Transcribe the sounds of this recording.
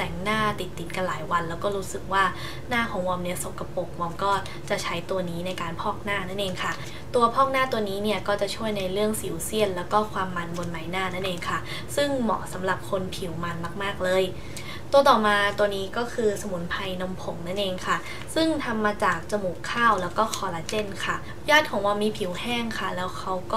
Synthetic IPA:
t̪ɛ˨˩ŋnaː˥˩t̪i˨˩t̪ːi˨˩˦nka˧nlaː˩˦jwa˧nlɛː˦˥wkɔː˥˩ɾuː˦˥sɯ˨˩k̚waː˥˩ | naː˥˩kʰɔː˩˦ŋwɔː˧mni˦˥˩ɐso˨˩ka˧po˨˩k̚wɔː˧mkɔː˥˩ | t͡ɕa˨˩t͡ɕʰa˦˥jt̪u˧ɐniː˦˥na˧jkaː˧npʰɔː˥˩k̚naː˥˩na˥˩nʔeː˧ŋkʰa˥˩ | t̪u˧ɐpʰɔː˥˩k̚naː˥˩t̪u˧ɐniː˦˥ni˥˩ɐkɔː˥˩t͡ɕa˨˩t͡ɕʰu˥˩əjna˧jɾɯ˥˩əŋsiː˨˦wsi˥˩ənlɛː˦˥wkɔː˥˩kʰwaː˧mːa˧nbo˧nma˨˦jnaː˥˩na˥˩nʔeː˧ŋkʰa˥˩ | sɯ˥˩ŋmɔ̰ː˩˦sa˩˦mɾa˨˩p̚kʰo˧npʰi˩˦wma˧nma˥˩k̚maː˥˩k̚lɤː˧j | t̪u˧ɐt̪ɔː˨˩maː˧t̪u˧ɐniː˦˥kɔː˥˩kʰɯː˧sa˧mu˨˩˦npʰa˧jno˧mpʰo˨˩˦ŋna˥˩nʔeː˧ŋkʰa˥˩ | sɯ˥˩ŋt̪ʰa˧mːaː˧t͡ɕaː˨˩k̚t͡ɕa˧mu˨˩kʰːaː˥˩wlɛː˦˥wkɔː˥˩kʰɔː˧la˧t͡ɕe˥˩nkʰa˥˩ | jaː˥˩t̪̚kʰɔː˨˩˦ŋwaː˧miː˧pʰi˨˩˦whɛː˥˩ŋkʰa˥˩lɛː˦˥wkʰa˦˥wkɔː˥˩

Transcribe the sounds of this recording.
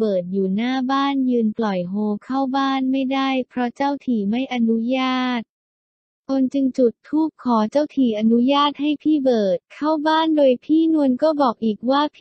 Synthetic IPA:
bɤː˨˩t̪̚juː˨˩naː˥˩baː˥˩njɯː˧nplɔ˨˩jɦoː˧kʰa˥˩wbaː˥˩nma˥˩jdaː˥˩jpʰɾɔ˦˥t͡ɕa˥˩wt̪ʰiː˨˩ma˥˩jʔa˧nu˦˥jaː˥˩t̪̚ | kʰo˧nt͡ɕɯ˧ŋt͡ɕu˨˩t̪ʰːuː˥˩kʰːɔː˩˦t͡ɕaː˥˩wt̪ʰiː˨˩ʔa˧nu˦˥jaː˥˩t̪̚ha˥˩jpʰiː˥˩bɤː˨˩t̪̚kʰa˥˩wbaː˥˩ndoː˧jpʰiː˥˩nu˧ənkɔː˥˩bɔː˨˩k̚ʔiː˨˩k̚waː˥˩pʰ

